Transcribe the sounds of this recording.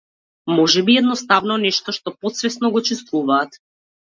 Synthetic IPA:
mɔʒɛbiɛd̪nɔst̪avnɔnɛʃt̪ɔʃt̪ɔpɔt̪svɛsnɔɡɔt͡ʃɛst̪vuvaːt̪

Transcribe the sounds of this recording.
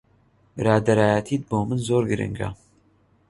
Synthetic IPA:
bɨɾaːd̪ɐɾaːjɛt̪ʰiːt̪̚boːmɨnzoːɾɡɨɾɨ̰ŋɡa̰

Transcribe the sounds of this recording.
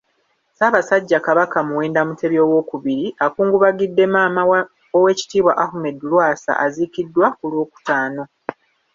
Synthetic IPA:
saβasaɟːakaβakamuweːndamutʰe̞βjo̞ːwo̞kuβiɾiʔakuːŋɡuβaɡidːe̞maːma | owe̞ːci̥tiːβwaʔahume̞dːulwaːsa̰ʔazikidːwakulwo̞ːku̥taːno̞

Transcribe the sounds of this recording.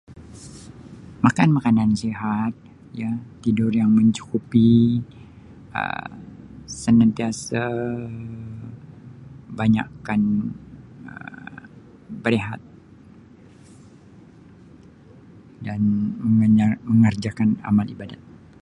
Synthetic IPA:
makanmakanansiɦat̪̚ | jat̪ːidʊrjaŋməɲt͡ʃu̥kupi | ə̰ | sənant̪iasa | baɲa̰kan | ə̰ | bəɾeɦa̰t̪̚ | danməŋməŋərd͡ʒakana̰malibadat̪̚

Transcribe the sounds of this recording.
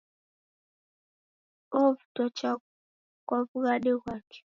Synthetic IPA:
ɔvu̥tɔt͡ʃa | kwavuɣaɗekwakɛ̥

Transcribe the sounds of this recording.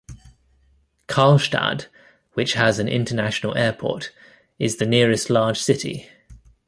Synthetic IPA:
kʰɑːlˠʃta̰d | wɪt͡ʃhəzə̃nʔɪ̰̃ntʰənaʃənəlʔɛːpʰɔ̰ˑt | ɪzðənɪəɹɪstlɑːd̥ʒ̥sɪtʰḭ

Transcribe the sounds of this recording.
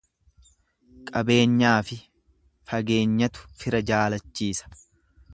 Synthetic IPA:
kʼɐbe̞ːɲːaːfɪ | fɐɡe̞ːɲːɐt̪ʊ̥fɪɾɐd͡ʒaːlɐt͡ʃːiːsɐ̥

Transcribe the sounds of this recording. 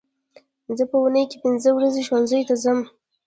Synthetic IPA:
zəpəunəjkepɪnzəwɾazeʃwanzəjt̪azəm

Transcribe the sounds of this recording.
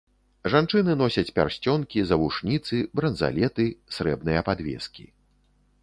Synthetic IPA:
ʐant͡ʂɨnɨnɔsʲɐt͡sʲpʲa̰rsʲt͡sʲɔnkʲizɐvuʂnʲit̪sɨbɾɐnza̰lʲɛt̪ɨsɾɛbnɨjɐpad̪vʲɛ̰skʲḭ

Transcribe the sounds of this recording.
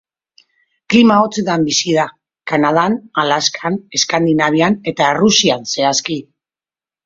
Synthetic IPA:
klimao̞t͡sed̪ambisiða | kanað̞analaskʰane̞skand̪inaβ̞iane̞t̪aerusianse̞aski

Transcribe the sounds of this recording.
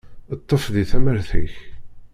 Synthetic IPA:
ət̪ˤːəfðiθæməɾθḭç

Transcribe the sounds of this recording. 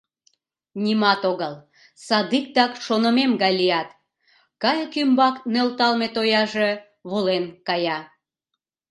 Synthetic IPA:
nʲimɑt̪oɣəl | sɑd̪ik̚d̪ɑkʃonəmemɣɑjlijɑt̪ | kɑjkymbɑknølt̪ɑlmet̪ojɑʒe | βulenkɑjɑ

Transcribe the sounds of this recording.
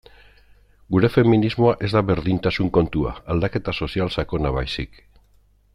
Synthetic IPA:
ɡuɾe̞fe̞minizmo̞aʔe̞zd̪aβe̞ɾðint̪asuŋko̞nt̪ua̰ald̪ake̞t̪aso̞sialsako̞naβajsik

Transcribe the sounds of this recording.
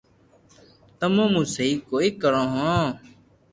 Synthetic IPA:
t̪əmõːmũːsiːkoːiːkəɾõːɦõː

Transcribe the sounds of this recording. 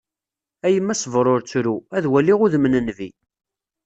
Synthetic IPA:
æjəmːæsvɾˤoɾt͡sːɾuæðwælːiʁʊðəmnənvi

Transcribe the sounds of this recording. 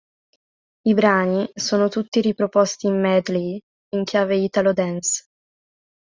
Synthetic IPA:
ibɾaːnisoːnot̪ut̪ːiɾipɾopost̪imːɛd̪li | iŋkʰjaːveit̪alod̪ɛns

